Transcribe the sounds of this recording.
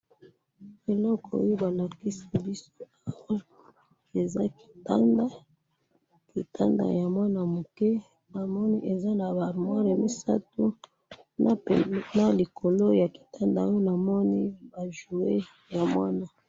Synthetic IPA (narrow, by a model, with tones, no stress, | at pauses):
e˨lɔ˦kʰɔ˨o̰˦jo˦ba˨la˨ki˦si˦bi˦so˦a˨a˨wa˦ | e˨za˦ki̥˨ta˦nda˦ | ki˨ta˦nda̰˨ja˨mwa˦na˨mo˨kɛ˦ | na˨mɔ˦ni˦ʔe˨za˦na˨ba˨ʁmwa˦ʁa˨mi˦sa̰˦tu˦˨ | na˨li˨kʰo˨lo˦ja˨ki̥˨ta˦nda˨o˦o˦na˨mɔ˦ni˦ba˨ʒu˨we˦ | ja˨mwa˦na˨